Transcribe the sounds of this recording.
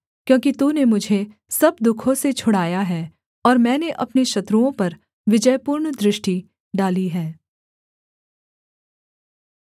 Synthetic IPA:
kjõːkit̪uːnemʊd͡ʒʱe | sɐb̚d̪ʊkʰõset͡ʃʰʊɽaːjaɦɛː | ɔːɾmɛ̃ːneʔɐpneʃɐt̪ɾuõpɐɾ | ʋɪd͡ʒəjpuːɾɳd̪ɾɪʃʈi | ɖaːliɦɛː

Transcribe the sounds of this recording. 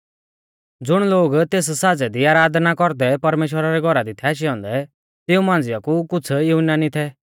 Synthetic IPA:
d͡zʊɽ̃loːɡt̪eːs̬saːd͡zɛd̪iaːɾaːd̪nakɔɾd̪ɛpɐɾmeːʃ̬wəɾaɾɛɡʱɔɾad̪it̪ʰɛːʃ̬iɔ̃ːnd̪ɛ | t̪ɪũmãːn̆d͡zɪjakukʊt͡sʰjuɦʊnːanit̪ʰɛ

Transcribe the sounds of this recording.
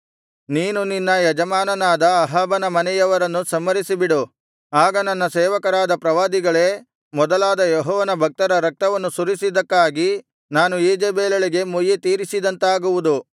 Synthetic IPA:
niːnuninːɐjɛd͡ʒɐmaːnɐnaːd̪ɐːɦaːbɐnɐmɐnɛjɐʋɐɾɐnːusɐmːɐɾisibiɽu | aːɡɐnɐnːɐseːʋɐkɐɾaːd̪ɐpɾɐʋaːd̪iɡɐɭe̞ː | mɔd̪ɐlaːd̪ɐjɔɦɔːʋɐnɐbʱɐk̚t̪ɐɾɐɾɐk̚t̪ɐʋɐnːusuɾisid̪ɐkːaːɡi | naːnueːd͡ʒeːbeːlɐɭiɡe̞mujet̪iːɾisid̪ɐnt̪aːɡuʋud̪u

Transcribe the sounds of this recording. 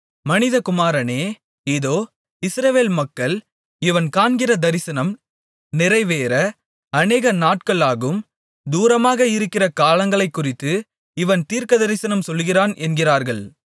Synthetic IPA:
mɐnɪðɐkʊmaːɾɐneː | eːðoː | ɪsɾɐʋeːlmɐkːɐɭ | ɪʋɐnkaːnɡɪrɐd̪ɐɾɪsɐnɐm | nɪrɐɪʋeːɾɐ | ɐneːɣɐnaːʈ̚kɐɭaːɣɯm | d̪uːɾɐmaːɣɐɪɾɯkːɪrɐkaːlɐŋɡɐɭɐɪkːʊrɪt̪ːɯ | ɪʋɐnt̪iːɾkɐd̪ɐɾɪsɐnɐmsɔlɣɪraːnʔɛnɡɪraːɾɣɐɭ

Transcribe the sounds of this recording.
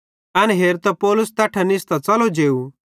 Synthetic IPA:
ɐnɦeːɾt̪ɐpɔːlʊst̪ɐʈʰanɪst̪at͡sɐlod͡ʒeːu

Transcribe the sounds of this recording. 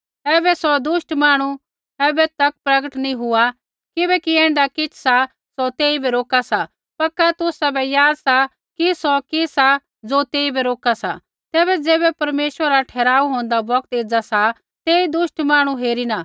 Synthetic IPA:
ɛːbɛsɔd̪ʊʃʈmaːɽ̃u | ɛːbɛt̪ɐk̚pɾɐɡəʈnĩɦʊa | kɪbɛkiɛ̃ːɳɖakɪt͡ʃʰsa | sɔt̪eːibɛɾoːkasa | pɐkːat̪ʊsabɛjaːd̪sa | kisɔkisa | d͡zoːt̪eːibɛɾoːkasa | t̪ɛːβɛd͡zɛːbɛpɐɾmeːʃwəɾaʈʰɛːɾaːuɦõːnd̪abɐkt̪eːd͡zasa | t̪eːid̪ʊʃʈmaːɽ̃uɦeːɾina

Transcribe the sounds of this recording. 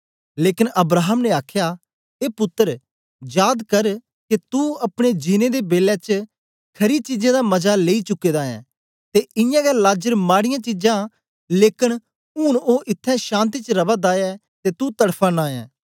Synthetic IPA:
leːkɪnəbɾaːɦəmneaːkʰjaː | eːpʊt̪ːəɾ | jaːd̪kəɾ | kit̪uɐpɽ̃ed͡ʒɪneːd̪eːbeːlɛːt͡ʃ | kʰɐɾit͡ʃid͡ʒãːd̪aːmɐzaːleːit͡ʃʊkːeːd̪aːɛ̰̃ː | t̪eːɪjãːɡɛlaːd͡ʒəɾmaːɽɪjãːt͡ʃɪd͡ʒãː | leːkən | uːnoːʔɪt̪ʰːɛ̃ːʃãːnt̪̬iːt͡ʃɾəbaːd̪aːɛː | t̪eːt̪ut̪əɽpʰãːnaːjɛ̰̃ː

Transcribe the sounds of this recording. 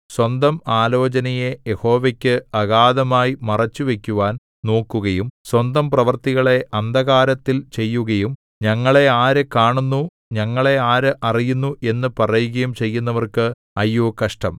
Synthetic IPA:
swɐnd̪ɐmaːlo̞ːt͡ɕɐnɐje̞jeho̞ːʋekʲːɨɐɣaːd̪ɐmaːjimɐrɐt͡ɕːuʋe̞kʲːuʋaːn | no̞ːkːuɣɐjumswɐnd̪ɐmprɐʋɐrt̪iɣɐɭe̞ʔɐnd̪ɐɣaːɾɐt̪ːilt͡ɕe̞jːuɣɐjum | ɲɐŋːɐɭe̞aːɾekaːɳunːu | ɲɐŋːɐɭe̞aːɾɨʔɐrijunːuʔe̞nːɨpɐrɐjuɣɐjumt͡ɕe̞jːunːɐʋɐrkɨ | ɐjːuːkɐʂʈɐm

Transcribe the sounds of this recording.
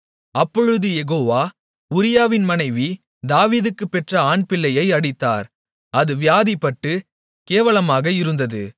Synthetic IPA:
ɐpːɔɻɯðɯjɛɣoːʋaː | ʊɾɪjaːʋɪnmɐnɐɪʋi | d̪aːʋiːðɯkːɯpːɛʈrɐaːɳpɪɭːɐjɐɪɐɽɪt̪ːa̰ːɾ | ɐðɯʋɪjaːðipːɐʈːɯ | keːʋɐɭɐmaːɣɐɪɾɯnd̪ɐðɯ

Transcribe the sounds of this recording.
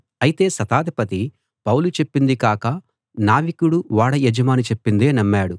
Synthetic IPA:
ɐjit̪e̞ːsɐt̪aːd̪ipɐt̪i | pɐwlut͡ʃe̞pːind̪ikaːkɐ | naːʋikuɽuʋaːɽɐjed͡ʒɐmaːnit͡ʃe̞pːind̪e̞ːnɐmːaːɽu

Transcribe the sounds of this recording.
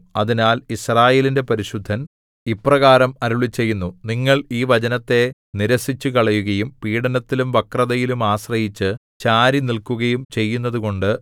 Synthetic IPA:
ɐðinaːlisraːje̞ːlinde̞pɐɾiɕud̪ʱːɐn | ipːrɐɣaːɾɐmɐɾuɭit͡ɕːe̞jːunːuniŋːɐɭiːʋɐd͡ʑɐnɐt̪ːe̞ | niɾɐsit͡ɕːukɐɭɐjuɣɐjumpiːɽɐnɐt̪ːilumʋɐkrɐðɐjilumaːsrɐjit͡ɕːɨt͡ɕaːɾinilkuɣɐjumt͡ɕe̞jːunːɐðuko̞ɳɖɨ

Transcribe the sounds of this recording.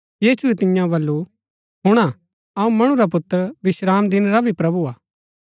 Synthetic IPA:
jiːsuet̪ɪ̃jãbɐlːu | ɦʊɽ̃a | ɐũmɐɽ̃uɾap̬ʊt̪ːəɾbɪʃɾaːmd̪ɪnɾabʱipɾɐbuaː

